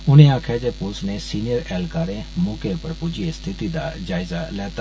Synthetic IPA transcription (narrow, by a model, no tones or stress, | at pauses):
ʊñẽãːkʰɛːd͡ʒepʊlsnẽsiːnɪjəɾɛːlkaːɾẽmʊːkepɐɾpʊd͡ʒiest̪ʰɪt̪id̪aːd͡ʒaːɪzalɛːt̪a